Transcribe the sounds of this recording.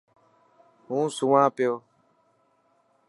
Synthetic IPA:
ɦũːsʊʋãːpɪjoː

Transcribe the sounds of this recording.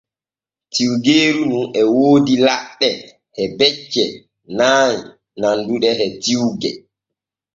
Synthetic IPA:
tiwɡeːɾununɛwoːdilaɗːɛ | hɛbɛt͡ʃːɛ | naːɲ | nanduɗɛhɛtiwɡɛ̰

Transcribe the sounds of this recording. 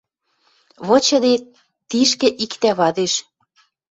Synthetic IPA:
βɤ̆t͡ɕɤ̆d̪e | t̪iʃkɘ̆ʔikt̪æβɑd̪eʃ

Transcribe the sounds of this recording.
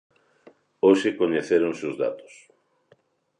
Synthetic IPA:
oʃekoɲeθeɾoŋseʊzða̰t̪o̥s

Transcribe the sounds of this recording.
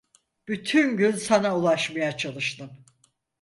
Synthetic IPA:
b̥yt̪ʰynɟynsanaulˠaʃmajat͡ʃʰalˠɯʃt̪ɯm

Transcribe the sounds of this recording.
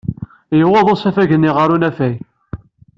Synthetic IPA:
jəwɑðˤosæfæʝənːiʁəɾunæfæj

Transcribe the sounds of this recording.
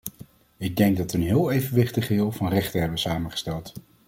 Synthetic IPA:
ɪɡ̚dɛŋɡ̚dɑtʋənɦɪːlˠejvənʋɪχtəχɦɪːlˠvɑnrɛχtəɦɛbənsaːmənχə̥stɛlˠt

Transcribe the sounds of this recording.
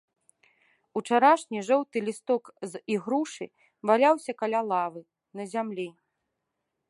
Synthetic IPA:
ut͡ʂaɾaʂnʲiʐɔwt̪ɨlʲist̪ɔkziɣɾuʂɨ̰ | valʲawsʲɐkalʲalˠavɨ | nɐzʲamlʲi

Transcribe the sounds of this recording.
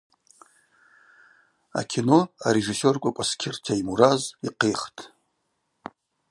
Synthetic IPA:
a̰kʲʰino̞aɾe̞ʐiso̞rkʷʼakʷʼaskʲʰɪrtʰaimuɾaziqejχtʼ

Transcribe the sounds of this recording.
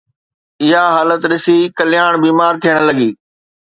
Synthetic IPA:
ɪɦaɦaːlət̪ɗɪsikɐlɪjaːɽ̃biːmaːɾt̪ʰijəɽ̃lɐɡiː

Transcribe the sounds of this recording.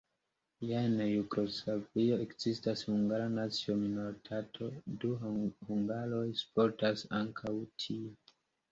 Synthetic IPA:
jaenjuɡo̞slavio̞e̞kz̥istashuŋɡaɾanat͡sio̞minoɾitʰatʰo̞duhuŋɡaɾo̞jspo̞ɾtasaŋkʰawtʰie

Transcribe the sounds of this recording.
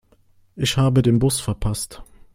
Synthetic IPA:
ʔɪçhaːbədeːnbʊsfɛɐpʰast

